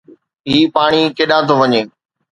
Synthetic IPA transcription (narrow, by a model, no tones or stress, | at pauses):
ɦiːpaːɽ̃ikeːɗãːt̪ʰoʋɐɲeː